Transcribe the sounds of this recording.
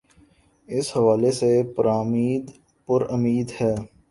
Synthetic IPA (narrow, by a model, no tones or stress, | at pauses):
ɪshɐʋaːlesepɐɾaːmiːd̪ | pʊɾɐmiːd̪hɛː